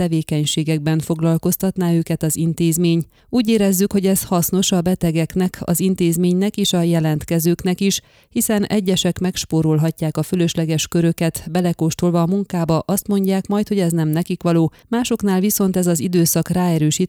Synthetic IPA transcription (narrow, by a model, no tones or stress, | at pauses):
ɛveːkɛɲʃeːɡɛɡ̚bɛɱfo̞ɡlɒlko̞st̪ɒt̪naːøːkɛt̪ɒzint̪eːzmeːɲ | uːɟeːɾɛzːykho̞ɟɛshɒsno̞ʃɒbɛt̪ɛɡɛknɛkʰɒ̰zint̪eːzmeːɲnɛkeːʃɒjɛlɛnt̪kɛzøːknɛkiʃ | hisɛnɛ̰ɟːɛʃɛkmɛkʃpoːɾo̞lɦɒcːaːkɒfølø̞ʃlɛɡɛʃkøɾø̞kɛt̪bɛlɛkoʃt̪olvɒːmuŋkaːbɒʔɒst̪mo̞ɲɟaːkmɒjt̪ho̞ɟɛznɛmnɛkikʋɒloː | maːʃo̞kn̪aːlviso̞nt̪ɛzɒzid̪øːsɒkraːɛɾøːʃiːt̪